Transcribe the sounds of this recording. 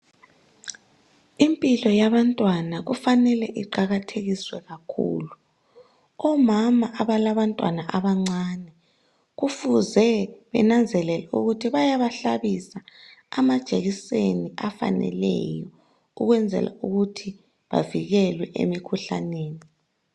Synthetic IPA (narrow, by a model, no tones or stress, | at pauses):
impʼilɔjaβantʼwanaɣufanɛlɛʔiǃaɣatʰeɣiswɛɣakʰṵːlu | ɔmamaʔaβalaβantʼwanaʔaβaŋ͡ǀaːnɛ | ɣufuzɛβɛ̰nand͡zʱɛlɛlɛṵɣutʰiβajaβaɬaβisaːmad̥ʒ̥ʱeɣiseniafa̰nɛ̰lɛ̰jɔ | uɣwɛnd͡zʱɛ̰la̰uɣutʰi | βa̰viɣɛlwɛʔḛmikʰuɬa̰neːni